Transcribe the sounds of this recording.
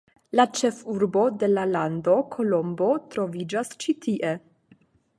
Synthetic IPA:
lat͡ʃe̞fuɾbo̞de̞lalando̞kʰo̞lo̞mbo̞tɾo̞vid͡ʒast͡ʃitʰiʔe̞

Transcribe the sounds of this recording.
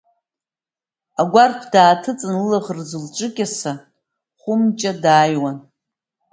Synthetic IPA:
aɡʷarpʰdaːtʰɨt͡sʼɨnlaʁrzɨlʈ͡ʂʷʼɨkʲʼasa | χʷʊmt͡ʃʼadaːjwan

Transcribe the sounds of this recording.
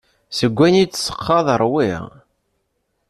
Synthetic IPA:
səɡʷːænit͡sːsːə̥qːɑðˤəɾˤwɪ̰ʁ

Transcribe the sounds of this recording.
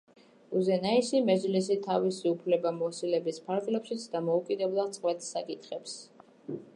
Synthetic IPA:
uzɛnaisimɛzlis̬it̪ʰavisiupʰlɛbamɔsilɛbispʰaɾɡlɛpʃit̪sʰd̪amɔukʼid̪ɛblˠad̪sʼqʼwɛt̪ʰsakʼit̪ʰχɛps

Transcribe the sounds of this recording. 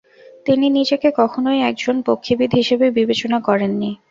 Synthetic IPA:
t̪ininid͡ʑekekɔkʰonojɛk̚d͡ʑonpokʰːibid̪ʱɦiʃebebibet͡ɕonakɔɾenːi

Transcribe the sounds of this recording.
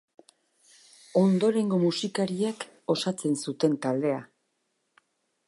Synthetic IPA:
o̞nd̪o̞ɾe̞ŋɡo̞musikaɾiek | o̞sat͡se̞nsut̪e̞nt̪ald̪e̞a

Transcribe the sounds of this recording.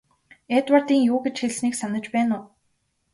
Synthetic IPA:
et̪wart̪iːŋjʊːɡet͡ɕxeɮsniːksanə̆t͡ɕpæːnʊː

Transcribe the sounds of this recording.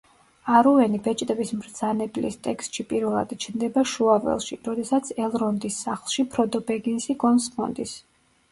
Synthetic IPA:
aɾuɛnibɛt͡ʃʼt̪ʼɛbismɾd̪z̥anɛblḭst̪ʼɛkst̪ʼʃipʼiɾvɛlˠa̰d̪it͡ʃʰnd̪ɛbaʃuavɛ̰lˠʃiɾɔd̪ɛsat̪sʰɛlˠɾɔnd̪isːaχlˠʃipʰɾɔd̪ɔbɛɡinsiɡɔnsmʰɔ̰nd̪is

